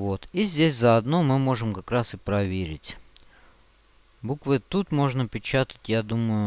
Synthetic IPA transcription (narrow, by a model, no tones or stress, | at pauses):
vo̞t̪izʲdʲesʲzəɐd̪nomɨmo̞ʐɨmkakɾasɨpɾɐvʲeɾʲɪ̰tʲ | bukvɨt̪ut̪mo̞ʐnəpʲɪt͡ɕat̪ə̥tʲjad̪uməjʊ